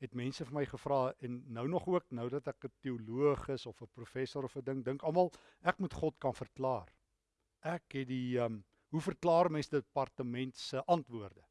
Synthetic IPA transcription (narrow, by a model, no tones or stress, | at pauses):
ɦɛtmɛnsəfəməjχəfrɑːɛnːəwnɔχuəknəwdɐtækətiuluəχəsɔfəprufɛsoɾɔfədəŋdəŋkɐlˠmɐlˠ | ʔækmutχɔtkɐnfərklɑːr | ʔækɦɛtdiəm | ɦufərklɑːrmɛnsdəpɐrtəmɛntsəʔɐntvuərdə